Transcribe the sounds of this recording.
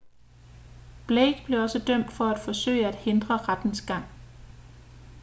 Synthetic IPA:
b̥leːɡ̥b̥le̝ɒ̽səd̥œm̰d̥fɒ̽æd̥fɒ̽sø̰ɪ̰əæd̥he̝nd̥ʁɐʁad̥n̩sɡ̥ɑ̈ŋ̰

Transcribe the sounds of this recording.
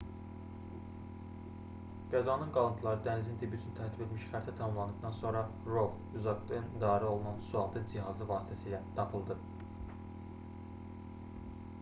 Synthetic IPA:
ɡ̥æzɑnɯnɡɑlˠɯnt̪ʰlˠɑɾɯd̪ænzind̪ʰibyt͡ʃ̪ʰynt̪ʰæɾt̪ʰibe̞t̪ʰmiʃχæɾt̪ʰæt̪ʰɑmɑmlˠɑnɯbd̪ɑnso̞nɾɑ | ɾo̞v | yzɑɡd̪ɯnd̪ɑːɾæo̞lˠunɑnsuɑlˠd̪ʰɯnd͡ʒiɦɑzɯvɑːst̪ʰæsiːlæt̪ʰɑpʰɯlˠd̪ɯ

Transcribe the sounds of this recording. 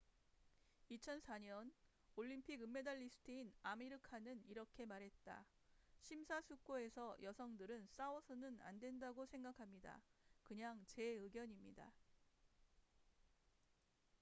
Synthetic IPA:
it͡ɕʰʌnsʰaɲʌn | oʎːimpʰiɡɯmːe̞daʎːisʰɯ̥tʰɯinamiɾɯkʰanɯniɾʌkʰe̞maɾɦe̞t̚t͈a̰ | ɕʰimsʰasʰuk͈oe̞sʰʌjʌsʰʌŋdɯɾɯns͈awʌsʰʌnɯna̰ndwe̞ndaɡosʰe̞ŋɡakʰamɲida̰kɯɲaŋt͡ɕe̞ɯɡjʌɲimɲida̰

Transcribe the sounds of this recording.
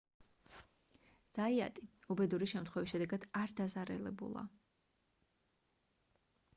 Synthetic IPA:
z̥aia̰t̪ʼiubɛd̪uɾiʃɛmt̪ʰχwɛvisʃɛd̪ɛɡad̪̥aɾd̪azaɾɛlɛbṵlˠa̰

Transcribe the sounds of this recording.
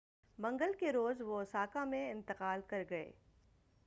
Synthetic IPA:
mɐ̃ŋɡəlkeɾoːzʋosaːkamẽɪ̃nt̪ɪqaːlkɐɾɡɐḛː

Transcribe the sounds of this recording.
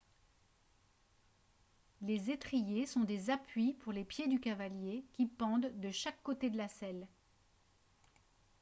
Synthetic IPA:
lezet̪χijesɔ̃d̪ezapɥipuʁlepjed̪ykavaljekʲipɑ̃d̪d̪əʃakːot̪ed̪əlasɛl

